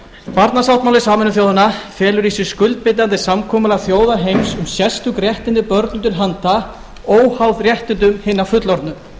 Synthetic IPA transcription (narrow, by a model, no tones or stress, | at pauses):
paɾt̪nasaw̥ht̪mawlɪsaːmɛnʏθjoːwðanafjɛːlʏɾisʏskʏlt̪̚pɪt̪ːant̪ɪsamkʰɔːmʏlaθjoːwðaɾɦejmsʏmsjɛst̪ʏkrjɛht̪ɪnt̪ɪpœɾt̪nʏt̪ʰɪlɦant̪a | oːwhawðrjɛht̪ɪnt̪̬ʏmhɪnːafʏt̪lɔɾt̪nʏ